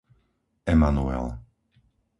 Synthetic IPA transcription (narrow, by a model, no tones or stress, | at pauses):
ɛmanuɛ̰l